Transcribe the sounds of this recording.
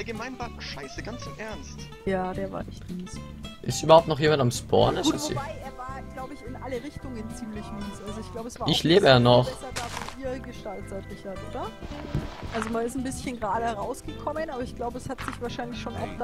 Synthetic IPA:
ɡəmaɪnbak̚n̩ʃaɪsəɡant͡sʊmʔɛɐnst | jaːdeːɐva̰ːɐʔɛ̰çtniːs | ʔɪstʔyːbɐhʊp̚tnɔχjeːmantamspʰɔ̰ɐnɛsuːvobaɪʔeːɐvaːɐɡ̥laʊbəɪçɪnʔaləʁɪçtʊŋənt͡siːmlɪçniːsʔalzoɪçɡ̥laʊbəɛsaːɐɪçleːbəjaːnɔχsɐdaːfɔniːɐɡəʃtaltatmɪçatʔoːdɐ | ʔalzomanɪstn̩bɪsçənɡʁaːdəʁaʊsɡ̥əkʰɔmənʔaːbɐɪçɡ̥laʊbəɛshatz̥ɪçv̥aːɐʃaɪnlɪçʃoːnʔa̰ʊxd̥

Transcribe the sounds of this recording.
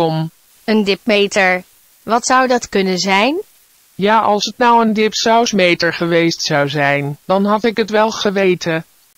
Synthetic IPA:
ɔm | əndɪpmejtəɹ | ʋɑtsʌwdɑtkɵnənzɛjn | jaːʔɑlˠsətnʌwəndɪpsawsmejtəɹχəʋejstsʌwzɛjnd̥ɑnɦɑtɪkətʋɛlˠχəʋejtʰə

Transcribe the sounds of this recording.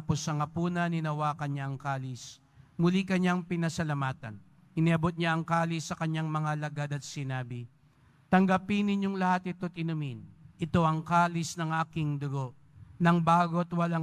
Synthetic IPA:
posːɐŋɐpuːnɐnɪnɐwaːkɐnɲaɐŋkaːlɪs | mʊlikɐɲaŋpɪnɐsɐlɐmaːt̪ɐ̰n | ɪniʔɐbo̞t̪̚ɲaɐŋkaːlɪsːɐkɐɲːaŋmɐŋalɐɡad̪ɐt̪̚sɪnaːbɪ | t̪ɐŋɡɐpɪnɪɲjo̞ŋlɐhat̪ɪt̪oɐt̪ɪnʊminʔɪt̪o̞ʔɐŋkaːlɪsnɐŋʔaːkɪŋd̪ʊɡo̞ʔ | nɐŋbaːɡo̞t̪wɐla

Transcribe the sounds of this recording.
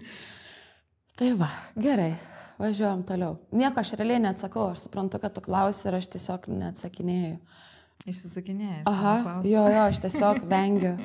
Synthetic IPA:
t̪ɐɪʋɐɡʲɛɾɐɪʋɐʒʲuɔjɛmt̪oːlʲɛʊnʲiɛkoːɐʃɾʲɛlʲɛɪnʲɛɐt̪sɐkɐʊɐʃsʊ̥pɾɐnt̪ʊkɐt̪t̪ʊklˠɐʊsʲɪɪɾɐʃt̪ʲiɛsʲoːknʲɛ̰ɐt̪sɐkʲɪnʲeːjʊ | ɪʃsʲɪsʊkʲɪnʲeːjɐɦɐjoːjoːɐʃt̪ʲiɛsʲoːkʋʲɛŋʲɡʲʊ

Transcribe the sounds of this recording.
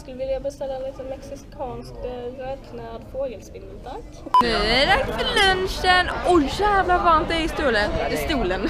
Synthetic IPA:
sklːəʋɪljabəst̪ɛlːanɪt̪ənmɛksɪkʰɑːnskøt̪ʰnæːd̪foːɡəlspɪnːət̪ʰaŋtnʉːæd̪aksəlœnʃənɔçæːvlavɑɾnt̪ɛɪst̪uːləɪst̪uːlən

